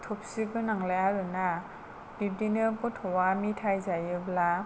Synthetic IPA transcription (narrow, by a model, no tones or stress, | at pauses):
tʰɔp̚siɡɯnaŋlajaɾɯna | b̥ib̚dinɯkɔtʰɔwamitʰajzajɯbla